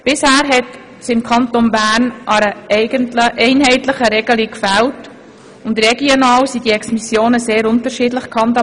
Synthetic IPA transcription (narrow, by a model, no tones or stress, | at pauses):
b̥ɪshæːɾɦɛt | sɪmkʰɑntonbæːɾnʔɑɾəʔɛɪɡəntləʔɛɪnɦɛɪtlɪχəɾɛɡəlikfɛlt | ʊntɾɛɡionɑːwsidiɛksmisjoːnəseːɾʊntəɾʃiːdləχkʰhɑntɑ